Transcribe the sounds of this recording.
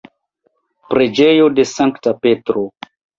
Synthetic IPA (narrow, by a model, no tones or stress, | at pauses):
pɾe̞d͡ʒe̞jode̞saŋktapetɾo